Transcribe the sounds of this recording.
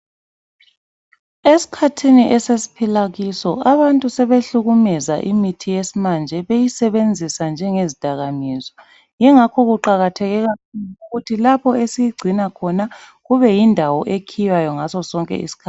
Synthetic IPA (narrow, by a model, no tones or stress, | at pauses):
esi̥kʰatʰiniʔɛsesi̥pʰilaɣisɔaβantʼusɛβeɬuɣumɛzaʔimitʰijesimand͡ʒʱɛβejisɛβend͡zʱisand͡ʒʱɛŋezid̥ʱaɣamizɔ | jɛŋakʰɔɣuǃaɣatʰɛɣɛɣauɣutʰilapʰɔesijiɡ͡ǀʱinakʰɔna | ɣuβɛjindʱawɔʔekʰijwajɔŋazɔsɔŋkʼɛ̰ḭsi̥kʰaː